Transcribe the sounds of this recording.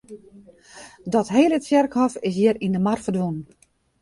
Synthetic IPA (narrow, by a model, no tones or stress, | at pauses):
dɔtɦeːlət͡sjɛrkhɔfɪs̬jɪəɾindəmarfərdʋon